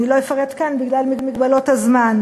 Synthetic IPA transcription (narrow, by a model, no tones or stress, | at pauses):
ilo̞jefaʁetkanbiɡlalmimiɡbalothazman